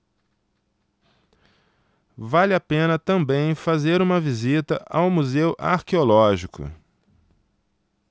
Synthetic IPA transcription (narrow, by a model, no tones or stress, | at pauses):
valɪapẽnɐt̪ɐ̃mbẽj̃fazeɾũmɐvizit̪ɐʔawmuzewʔa̰ɾkeolɔʒikʊ̰